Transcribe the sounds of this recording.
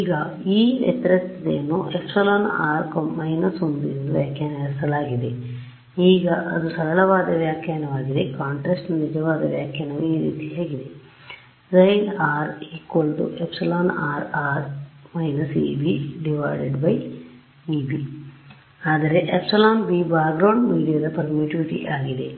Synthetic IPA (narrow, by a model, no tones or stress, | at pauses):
iːɡɐ | iːḛt̪ɾɐt̪d̪ḛːnuepsɐloːna̰ːɾkɐmɐjnɐsond̪iɾind̪uʋjaːkjaːnɐʋɐɾsɐlaːɡid̪e̞ | iːɡɐʔɐd̪usɐɾɐlɐʋaːd̪ɐʋjaːkjaːnɐʋaːɡid̪ekaːɳʈɾɐːsʈnnid͡ʒɐʋaːd̪ɐʋjaːkjɐːnɐʋiːɾḭːt̪iɦeːɡid̪e̞ | ɾɐjnaːɾiːkolʈṵʔepsɐloːnaːɾaːɾmɐjnɐsḭbiɖiʋaːɖeɖbɐj | iːbi | aːd̪ɐɾeʔepsɐloːnbiːbaːɡɾɐːɳɖmiːɖijad̪ɐpɐɾmiːʈiʋiʈḭʔaːɡid̪e̞